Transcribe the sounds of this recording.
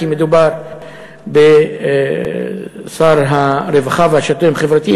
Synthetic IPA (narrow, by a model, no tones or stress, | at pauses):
imed̪ubaɾ | be | saɾɦaɾevaχavhaʃat̪umχevɾat̪i